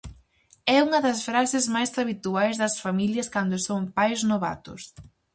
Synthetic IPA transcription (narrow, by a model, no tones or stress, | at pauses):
ɛuŋɐðɐsfɾasɪzmajsaβit̪uajzðɐsfamiljɐskand̪ʊsoŋpajznoβa̰t̪ʊs